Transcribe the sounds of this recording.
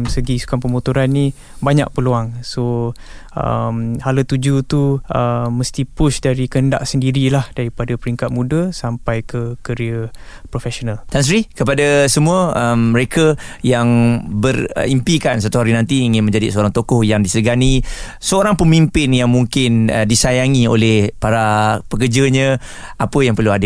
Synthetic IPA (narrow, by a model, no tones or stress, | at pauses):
səɡisu̥kanpəmut̪uɾanːĩ | baɲa̰ʔ̚pəluaŋso | ə̰mhalət̪ud͡ʒut̪uəməst̪ipʊʃdaɾikənda̰ʔsəndiɾilahdaɾipadapəɾiŋkat̪̚mũdəsampajkəkəɾiəpɾofɛsonalt̪ans̬ɾikəpadasəmũəəmːəɾekəjaŋbər̰impikans̬at̪uɦaɾinãnt̪iːŋɪnmə̃ɲd͡ʒadḭsəoɾaŋt̪okɔhjaŋdisəəɡani | səoɾaŋpəmimpɪnjaŋmuŋkɪndisajaŋiolɛhpaɾapəkəd͡ʒəɲə̃ | apəjaŋpərluadə